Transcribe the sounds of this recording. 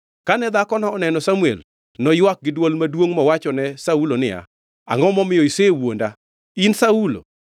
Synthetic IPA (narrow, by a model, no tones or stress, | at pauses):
kanɛd̪akɔnɔːnɛnɔsamuɛ̰l | nɔjwak̚ɡɪdwɔlmadwoŋmɔwat͡ʃɔnɛsaulonɪa̰ | a̰ŋɔmɔmɪjɔisewonda | insaulo̰